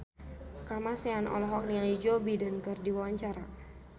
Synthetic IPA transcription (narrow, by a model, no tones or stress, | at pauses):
kamaseanɔ̰lɔɦɔk̚nialid͡ʒobidankərdiwawaɲt͡ʃaɾa